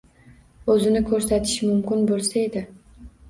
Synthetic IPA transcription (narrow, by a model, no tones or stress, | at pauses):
ɵzɪnɪkʰɵɾsat̪ʰɪ̥ʃmʊmkʲɪnbolˠsaed̪ɪ